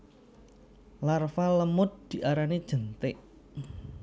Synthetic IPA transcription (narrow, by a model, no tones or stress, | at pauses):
larfaləmʊt̪̚d̪̥iʔaɾanid̥ʒ̥ənt̪ɪʔ